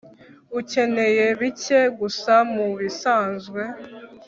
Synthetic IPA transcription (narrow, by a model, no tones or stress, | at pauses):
uce̞ne̞je̞βiceɡusamuβisaːnzɡwe̞